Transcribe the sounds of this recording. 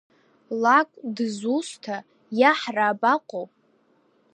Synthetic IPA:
lakʷʼdzustʰa | jaħraːbaqʷʼow

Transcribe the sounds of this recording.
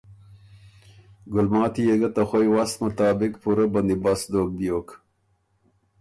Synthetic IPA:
ɡʊlmɑːt̪ijeɡɐt̪ɐxojwast̪mʊt̪ɑːbɪkpuɾabɐnd̪ibasd̪oːk̚d̪joːk

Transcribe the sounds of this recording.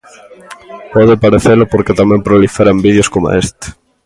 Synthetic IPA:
pɔðɪpaɾeθelʊpoɾket̪amɛ̃mpɾolifeɾambiðjoskoma̰est̪e̥

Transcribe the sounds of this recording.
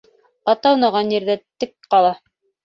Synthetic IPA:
ɑt̪ɑwnɑʁɑnjĭɾðæt̪ɘk̚qɑlˠɑ

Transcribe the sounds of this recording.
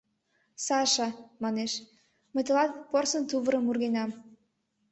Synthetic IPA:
sɑʃɑmɑneʃ | mə̆t̪ə̆lɑt̪̚porsə̆nt̪uβəɾəmurɣenɑm

